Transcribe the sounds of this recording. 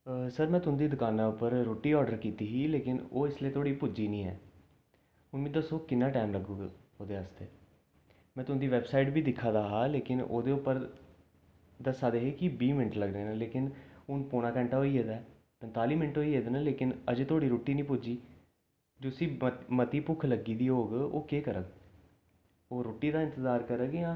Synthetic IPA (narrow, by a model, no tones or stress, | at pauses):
səɾmɛ̃ːt̪ʊnːd̪iːd̪ʊkaːnaːʊpəɾɾoːʈiːɔːɖəɾkiːt̪iːɦiːleːkɪno̰ːɪslieːt̪ʰoːɽiːpʊd͡ʒiːnĩːɛ̰ː | ʊnʋĩːd̪əsoːkɪnːãːʈaːmləɡuːɡoːd̪eːaːst̪eː | mɛ̃ːt̪ʊ̃nd̪iːʋɛːbsaːiʈbʱiːd̪ɪkʰːaːd̪aːɦaːleːkɪno̰ːd̪eːʊpːəɾ | d̪əsaːd̪eːɦeːkɪbiːmɪnəʈləɡɾeːnãːleːkɪnʊnpoːɽ̃ãːkəɳʈaːɦoːiːɦeːd̪aːɛ | pɛnt̪aːliːmɪnəʈɦoːiːɦeːd̪eːnaːleːkɪnəd͡ʒeːt̪ʰoːɽiːɾoːʈːiːnĩːpʊd͡ʒiː | d͡ʒoːsĩːmət̪iːpʊkʰləɡiːd̪iːɦoːɡo̰ːkeːkəɾəɡ̚ | oːɾoːʈiːd̪aːɪ̃nt̪əzaːɾkəɾəɡeãː